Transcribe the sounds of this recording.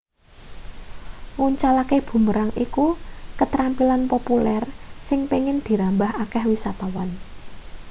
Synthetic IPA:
wuɲt͡ʃalakeb̥ṳməɾaŋʔikukət̪ɾampilanpopulɛrsɪŋpiŋɪnd̪̥i̤ɾambaɦakɛhwisat̪awan

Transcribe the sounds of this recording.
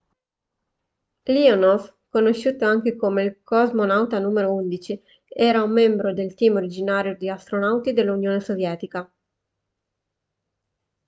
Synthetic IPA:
lionof | konoʃːuːt̪oaŋk̟ekomeilkɔzmonawt̪anuːmeɾound̪it͡ʃi | ɛːɾaumːɛmbɾod̪elt̪iːmoɾid͡ʒinaːɾjod̪iast̪ɾonawt̪id̪elːunjoːnesovjɛːt̪ika

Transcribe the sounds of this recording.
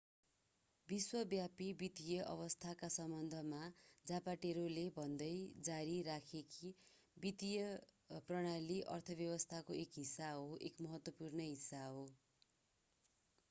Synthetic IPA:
biswʌbjapibit̪ijʌʔʌ̰bʌst̪ʰakasʌmbʌnd̪ʱʌmad͡zapaʈeɾolebʱʌnd̪ʌjd͡zaɾiɾakʰeki | bit̪ijʌ | prʌɽ̃aliʔʌ̰rt̪ʰʌbjʌwʌst̪ʰakoekɦisːaɦoʔekmʌɦʌt̪wʌpurnʌɦisːaɦo

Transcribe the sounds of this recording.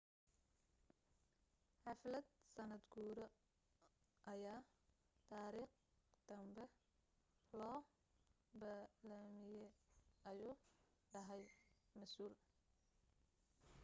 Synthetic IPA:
ħɑflɐd̪̚sɐnɐd̪ɡuːɾɔ | ʔɐjaː | t̪ʰaːɾiːχ | d̪̥ɐmbɛ | lɔː | bɐlamɪjɛʔɐjuːɖɐɦɛjmɐsuːl

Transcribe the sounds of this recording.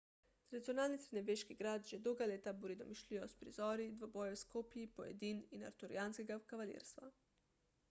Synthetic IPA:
t̪ɾad̪it̪sijonaːlnisɾinɛbeːʃkiɡɾaːd̪ʒɛd̪owɡaleːt̪abuɾid̪ɔmiʃliɔspɾḭzɔːɾid̪ʋobɔːjɛwskoːpijipɔjɛ̰d̪iːnina̰ɾt̪uɾḭjaːnskeɡakaʋalḛɾst̪ʋa̰

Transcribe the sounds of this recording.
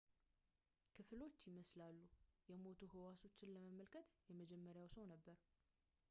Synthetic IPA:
kʰɨflo̞t͡ʃːjɪməslalːujɛmo̞t̪ʰuɦɨwaso̞t͡ʃːɪnləməməlkʰət̪jɛməd͡ʒɛmːəɾjawsəwnəbːəɾ

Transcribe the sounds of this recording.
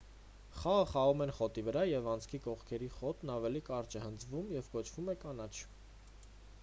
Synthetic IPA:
χɑʁəχɑʁumɛnχɔt̪ivəɾɑjɛvɑnt͡sʰkʰikɔχkʰɛɾiχɔt̪nɑvɛlikɑɾt͡ʃɛhənd͡zvumjɛvkɔt͡ʃʰv̥umɛkɑnɑt͡ʃʰ

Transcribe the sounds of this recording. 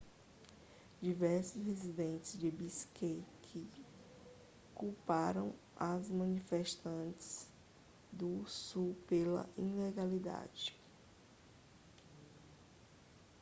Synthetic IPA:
d͡ʒivɛɾsʊshezid̪ẽnt͡ʃɪzd͡ʒɪbiskekʰɪ | kupaɾɐ̰̃w̃ | azmɐ̃nifeʃt̪ɐ̃t͡ʃɪ̥z̥ | d̪ʊsupelɐ̰ʔĩleɡalid̪a̰d͡ʒɪ

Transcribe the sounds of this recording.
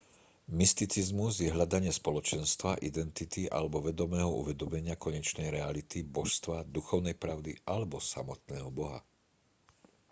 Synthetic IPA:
mist̪it͡sizmuzjɛɦʎad̪aɲɪɛspɔlɔt͡ʃɛnst̪ʋaʔid̪ɛnt̪it̪iʔa̰lɛbɔʋɛd̪ɔmɛːɦɔṵʋɛd̪ɔmɛɲɪakɔɲɛt͡ʃnɛjɾɛalit̪ibɔʃst̪ʋad̪uxɔʊnɛjpɾaʊd̪iʔalɛbɔsa̰mɔt̪̚nɛːɦɔbɔɦa̰

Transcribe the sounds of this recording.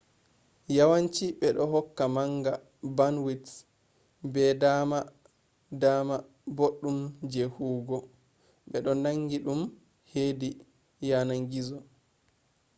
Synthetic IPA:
jawaɲt͡ʃiɓɛɗɔɦɔkːamaŋɡa | banwit | bɛdama | dama | boɗːumd͡ʒehuːɡɔ | ɓɛɗɔnaŋɡiɗum | hedi | janaŋɡizɔ

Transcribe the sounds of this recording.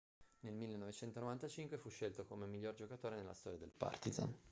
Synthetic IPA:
nelmilːenːovet͡ʃɛnt̪onovant̪at͡ʃiŋkwefuʃːelt̪okomemiʎːord͡ʒokat̪oːɾenelːast̪ɔɾjad̪elpa̰rt̪iza̰n

